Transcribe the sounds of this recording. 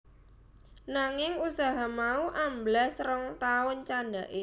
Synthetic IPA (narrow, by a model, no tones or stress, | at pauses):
naŋɪŋusaɦamauʔamblasɾəŋt̪aʊnt͡ʃanɖaʔe